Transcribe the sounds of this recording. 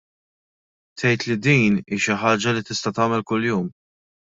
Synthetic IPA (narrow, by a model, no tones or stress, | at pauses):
t̪ʰɛjt̪lid̪iːniːʃɪħɐːd͡ʒɐlit̪ɪst̪ɐt̪ɐːmɛlkʊljuːm